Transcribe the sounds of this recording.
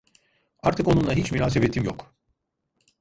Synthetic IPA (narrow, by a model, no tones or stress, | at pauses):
aɾt̪ʰɯko̞nunˠaɦit͡ʃmyɾaːsebɛt̪ʰːimjok